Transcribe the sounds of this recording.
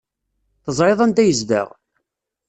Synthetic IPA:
θəzˤɾeðˤænd̪æjəzd̪ə̰ʁ

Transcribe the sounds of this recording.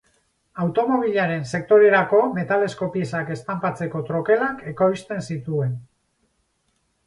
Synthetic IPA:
awt̪o̞mo̞β̞iʎaɾe̞nse̞k̚t̪o̞ɾe̞ɾako̞me̞t̪ale̞sko̞piesake̞st̪ampat͡se̞ko̞t̪ɾo̞ke̞lake̞koist̪e̞nsit̪ue̞n

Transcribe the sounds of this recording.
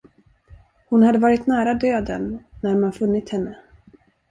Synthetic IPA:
hʊnhad̪ːəvɑːɾɪt̪næːɾad̪øːd̪ə̰nːæɾmanfɵnːɪt̪hɛnːə

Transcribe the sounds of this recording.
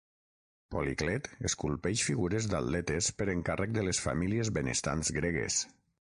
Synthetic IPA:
poliklɛt̪eskulˠpɛʃfiɣuɾezd̪a̰ldɛt̪espəɾeŋkarək̚d̪əlesfa̰miliezβenḛst̪a̰nzɣɾeɣḛs

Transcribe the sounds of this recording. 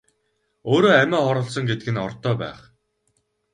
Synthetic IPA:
oːɾoːæmʲæːχɔɾɞ̆ɮsɞ̆ŋɡet̪ɘ̆ɡɘ̆nɔrt̪œːpæ̰ːχ

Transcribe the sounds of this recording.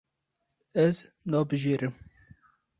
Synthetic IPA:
ɛz | nɑːbɨʒeːɾɨm

